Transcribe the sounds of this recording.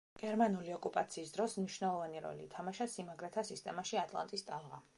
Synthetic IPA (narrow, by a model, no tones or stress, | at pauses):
ɡ̥ɛɾmanuliɔkʼupʼat̪sʰiːsd̪ɾɔsmniʃwnɛlˠɔvaniɾɔ̰lḭt̪ʰamaʃasimaɡɾɛt̪ʰasist̪ʼɛmaʃiat̪ʼlˠa̰nt̪ʼist̪ʼalˠʁa̰